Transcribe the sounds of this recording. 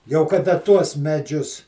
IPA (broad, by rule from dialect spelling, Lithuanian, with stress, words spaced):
jɛʊ kɐˈdɐ ˈtuɔs mʲɛˈd͡ʒʲʊs